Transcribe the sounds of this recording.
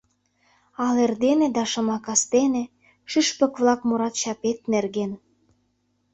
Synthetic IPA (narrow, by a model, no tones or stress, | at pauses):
ɑlerd̪enĕd̪ɑʃɤ̆mɑkɑst̪enĕ | ʃiʃpə̆kβlɑkmuɾɑt̪t͡ɕɑpet̪̚nerɣen